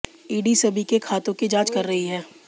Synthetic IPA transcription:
iːɖisɐbʱikekʰaːt̪õkid͡ʒãːt͡ʃkɐɾːɐɦiɦɛː

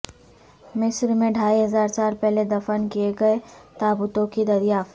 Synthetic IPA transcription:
mɪsɾmẽɖʱaːiɦɐzaːɾt͡ʃaːɾpɛɦled̪ɐfənkijeɡɐet̪aːbʊt̪õkid̪ɐɾjaːf

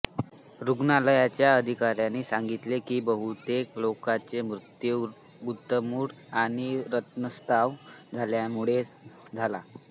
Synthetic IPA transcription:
ɾuɡnaləjat͡ɕjaəd̪ʱikaɾjanːiːsãŋɡit̪lekiːbəɦut̪eklokat͡semɾut̪jə | ɡut̪ːəmuːɽaɽ̃iɾət̪nəst̪ʰaʋd͡zʱaljamuɭed͡zʱala

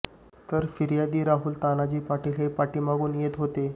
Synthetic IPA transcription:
t̪əɾfiɾjad̪iːɾaɦuːlt̪anad͡ʑiːpaʈiːlɦepaʈiːmaɡuːnjet̪ɦot̪e

